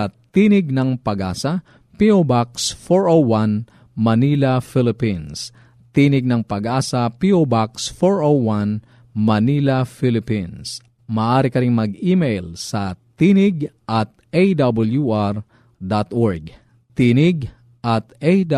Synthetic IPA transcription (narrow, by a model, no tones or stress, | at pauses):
t̪iːnɪɡ̚nɐŋpɐɡʔaːsɐ | piʔobaksfoɹʔowwan | mɐniːlɐfɪlɪpins | t̪inɪɡ̚nɐŋpɐɡʔaːsɐpiʔobaksfoɹʔowwan | mɐnilɐfɪlɪpins | mɐːʔaːɾɪkɐɾɪŋmɐɡiːmejlsɐt̪iːnɪɡʔɐt̪̚ʔejd̪ɐbɐljuʔaɾ | d̪at̪ʔoɹɡ | t̪inɪɡ | ʔɐt̪ejd